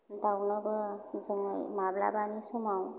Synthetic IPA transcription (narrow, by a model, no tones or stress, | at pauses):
d̪awnəbəd͡zəŋamabla̰banisumaw